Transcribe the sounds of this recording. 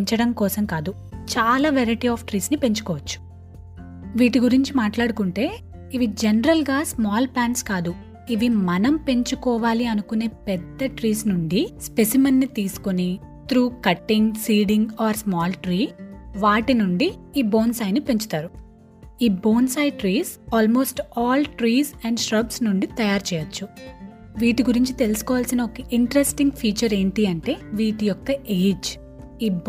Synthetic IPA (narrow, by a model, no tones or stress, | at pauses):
ɲt͡ʃɐɽɐmkɔːsɐmkaːd̪u | t͡ʃaːlaːʋeɾɐʈiaːfʈɾiːsnipe̞ɲt͡ʃu̥kɔːʋɐt͡ʃːu̥ | ʋiːʈiɡuɾiɲt͡ʃimaːʈlaːɽukuɳʈe̞ː | iʋid͡ʒenɐɾɐlɡaːsmaːlplaːɳʈskaːd̪u | iʋimɐnɐmpe̞ɲt͡ʃukɔːʋaːliɐnukune̞ːpɛd̪ːɐʈɾiːsnuɳɖispe̞simɐnːit̪iːsu̥koni | t̪ɾuːkɐʈːiŋɡsiːɖiŋɡaːɾsmaːlʈɾiːʋaːʈinuɳɖiiːbo̞ːnsaːjnipe̞ɲt͡ʃu̥t̪aːɾu | iːbo̞ːnsaːjʈɾiːsaːlmo̞ːsʈaːlʈɾiːsɛɳɖʃɾɐbsnuɳɖit̪ɐjaːɾt͡ʃɛːjɐt͡ʃːu | ʋiːʈiɡuɾiɲt͡ʃit̪e̞lisu̥kɔːʋaːlsinɐɔkɐʔiɳʈɐɾesʈiŋɡpʰiːt͡ʃɐɾe̞ːnt̪iɐɳʈe̞ːʋiːʈijɔkːɐʔeːd͡ʒ | iːb